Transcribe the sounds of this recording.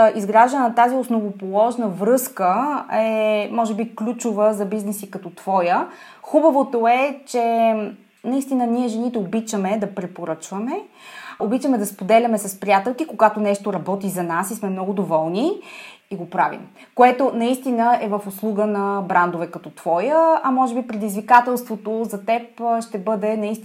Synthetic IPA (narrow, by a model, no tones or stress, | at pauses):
ʔizɡɾaʒd̪ənnɐt̪aziosnovopolˠɔʒnəvɾɤskəɛmɔʒɛbiklʲut͡ʃovəzɐbiznɛsikɐt̪ɔt̪v̥ɔjə | xubəvot̪oɛt͡ʃɛ | nɐist̪inəniɛʒɛnit̪ɛobit͡ʃəmɛd̪ɐpɾɛpoɾɤt͡ʃvɐmɛ | obit͡ʃəmɛd̪ɐspod̪ɛlʲɐmɛsɐspɾijat̪ɛlˠkikoɡat̪onɛʃt̪oɾɐbɔt̪izɐnasismɛmnɔɡʊd̪ovɔlˠniiɡopɾa̰vḭm | koɛt̪onɐist̪inəɛvəfoslˠuɡənɐbɾand̪ovɛkɐt̪ɔt̪v̥ɔjəɐmɔʒɛbipɾɛd̪izvikat̪ɛlˠst̪vot̪ozɐt̪ɛpʃt̪ɛbɤd̪ɛnɐist̪